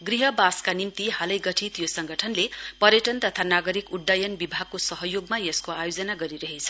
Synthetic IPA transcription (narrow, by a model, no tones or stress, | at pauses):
ɡriɦʌbaskanimt̪iɦalʌjɡʌʈʰit̪josʌŋɡʌʈʰʌnlepʌɾjʌʈʌnt̪ʌt̪ʰanaɡʌɾikuɖːajʌnbibʱaɡ̚kosʌɦʌjoɡmajeskoajod͡zʌnaɡʌɾiɾʌɦet͡sʰʌ̥